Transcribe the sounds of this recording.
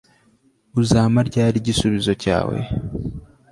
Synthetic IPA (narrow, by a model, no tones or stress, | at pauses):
uzaːmaɾɟaːɾiɟisuβizo̞ca̰ːwe̞̰